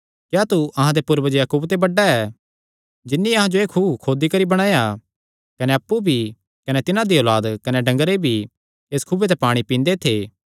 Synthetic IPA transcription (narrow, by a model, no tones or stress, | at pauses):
kjat̪uʔɐɦãd̪epʊɾbəd͡ʒjaːkuːbt̪ebɐɖːaɛː | d͡ʒɪnːiɐɦãd͡ʒoeːkʰuːbkʰoːd̪ikɐɾibɐɽ̃ãːja | kɐneɐpːubʱi | kɐnet̪ɪnãd̪iolaːd̪kɐneɖɐ̃ŋɡəɾebʱi | eːskʰʊbet̪̬ɛpaːɽ̃ipĩːnd̪et̪ʰeː